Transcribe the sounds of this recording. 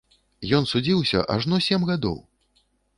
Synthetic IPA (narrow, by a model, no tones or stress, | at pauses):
jɔnsud͡zʲiwsʲɐ̰ʔa̰ʐnɔsʲɛmɣad̪ɔ̰w